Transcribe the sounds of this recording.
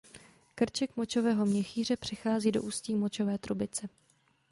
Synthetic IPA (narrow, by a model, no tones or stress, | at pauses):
kr̩t͡ʃɛkmot͡ʃovɛːɦo̞mɲɛxiːr̝ɛpr̝̥ɪxaːziːdo̞ʔuːsciːmo̞t͡ʃo̞vɛːt̪ɾubɪt͡sɛ